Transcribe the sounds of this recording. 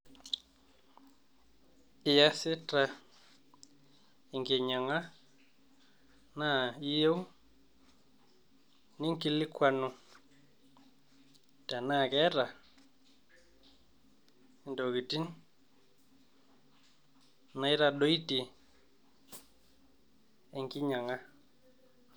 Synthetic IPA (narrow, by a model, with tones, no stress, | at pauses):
ɪ˨ja˦sɪ˦ta˨ | i˨ŋɡe˨ɲa˨ŋa˦ | na˦˨i˦je˦wu˦ | nɪ˦ŋ˦ki˦lɪ˦kwa˦˨nʊ˧ | tɛ˨na˦˨kɛ˦ɾa˨ | ndo˨ki˨ti˦n | na˨ɪ˦ɾa˨ɗo˦i˦ti˨ | e˨ŋɡɪ˦ɲa˨ŋa˦